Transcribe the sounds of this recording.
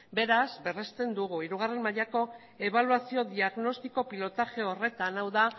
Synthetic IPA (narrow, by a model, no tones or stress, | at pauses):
be̞ɾazbe̞re̞st̪e̞nd̪uɣuiɾuɣ̞are̞mmaʎako̞ | e̞βaluasio̞ðiaɣno̞st̪iko̞pilo̞t̪aʝe̞o̞re̞t̪anawða